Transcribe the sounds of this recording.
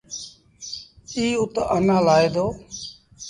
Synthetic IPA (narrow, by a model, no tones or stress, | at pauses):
iːʊt̪ʔənãːlaːeːd̪oː